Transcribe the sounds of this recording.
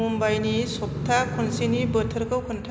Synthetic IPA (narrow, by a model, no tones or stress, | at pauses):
umbajnisɔk̚t̪ʰakʰunsinibət̪ʰɯɾkʰɯwkʰunʈʰa